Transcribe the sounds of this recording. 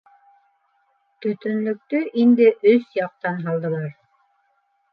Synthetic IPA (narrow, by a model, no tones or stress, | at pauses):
t̪ɵ̆t̪ɵ̆nlɵ̆k̚t̪ɵʔind̪ɘʔɵsjɑq̚t̪ɑnɦɑlˠd̪ɤ̆lˠɑɾ